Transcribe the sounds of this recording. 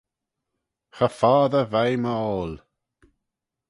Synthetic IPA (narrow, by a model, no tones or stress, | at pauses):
xəfaːðəvajməɔːl